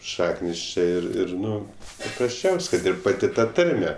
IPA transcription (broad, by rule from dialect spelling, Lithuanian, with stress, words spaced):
ˈʃɑːknʲɪs ˈt͡ʃʲeː ˈɪr ˈɪr ˈnʊ pɐprɐsʲˈt͡ʃʲɛʊsʲ kɐt ˈɪr pɐˈtʲɪ ˈtɐ ˈtɐrʲmʲɛ